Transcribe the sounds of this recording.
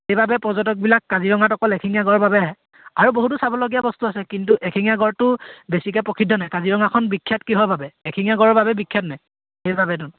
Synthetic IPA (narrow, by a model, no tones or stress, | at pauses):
xejbabɛpɔzɔtɔk̚bilakːaziɹɔŋatɔkɔlɛkʰiŋijaɡɔɹɔbabɛaɦɛ | aɹuboɦut̬usabɔloɡijabɔstuasɛkintuʔɛkʰiŋijaɡɔɹtʊbesik̬ɛpɹɔkʰidʱːɔnajkaziɹɔŋakʰɔnbikʰːjatkiɦɔjbʱabɛɛkʰiŋjaɡɔɹɔɹbabɛbikʰːjatnaj | xejbabɛt̬un